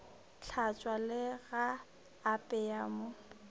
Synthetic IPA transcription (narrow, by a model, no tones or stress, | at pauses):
t͡ɬʰat͡ʃʼwalɪɣaː | pʼɛaːmʊ